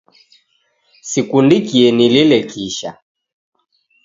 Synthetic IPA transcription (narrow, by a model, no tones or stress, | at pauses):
sikundikiɛnililɛkiʃa